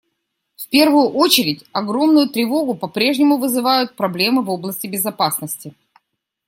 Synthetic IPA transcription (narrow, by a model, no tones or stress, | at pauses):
fpʲe̞rvʊjʊʔot͡ɕɪɾʲɪtʲɐɡɾo̞mnʊjʊt̪ɾʲɪvo̞ɡʊpɐpɾʲe̞ʐnʲɪmʊvɨzɨvajʊt̪̚pɾɐblʲe̞mɨvo̞blˠəsʲtʲɪbʲɪzɐpasnəsʲtʲɪ